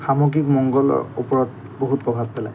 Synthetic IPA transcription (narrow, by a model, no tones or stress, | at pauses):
xamɔɡikmɔŋɡɔlɔ̰ṵpɔɹɔt | boɦut̚pɹɔbʱab̚pɛlaj